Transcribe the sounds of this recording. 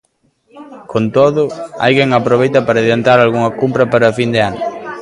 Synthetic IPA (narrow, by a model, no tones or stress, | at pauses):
kʰont̪oðʊa̰jɣeŋapɾoβejt̪ɐpaɾɐðelant̪aɾalɣuŋɐkumpɾɐpaɾɐfind̪ɪanʊ